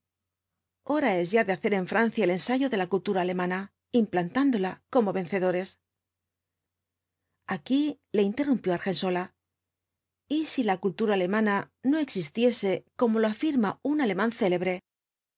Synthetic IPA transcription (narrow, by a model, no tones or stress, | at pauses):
o̞ɾae̞zʝaðe̞aθe̞ɾe̞ɱfɾan̟θjaele̞nsaʝo̞ðe̞lakult̪uɾaːle̞mãna | implant̪and̪o̞lako̞mo̞βe̞n̟θe̞ðo̞ɾe̞s | aki | le̞int̪e̞rumpjo̞aɾxe̞nso̞la | isilakult̪uɾaːle̞mãnano̞e̞ksist̪je̞se̞ko̞mo̞loafiɾmaunale̞mãnθe̞le̞βɾe̞